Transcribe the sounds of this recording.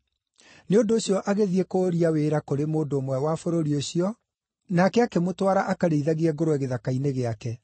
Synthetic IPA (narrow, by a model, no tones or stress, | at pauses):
neondoːɕjɔʔaɣeðiekoːɾiaweɾakoɾemoːndoːmwɛwafoɾoɾioɕiɔ | nakɛakɛmotwaɾaʔakaɾeiðaɣeɛɡoɾowɛɣeðakaineɣeakɛ